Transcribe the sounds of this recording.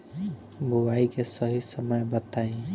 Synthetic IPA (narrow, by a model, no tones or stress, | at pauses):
bʱuwaikesəɦisəməjbət̪aẽ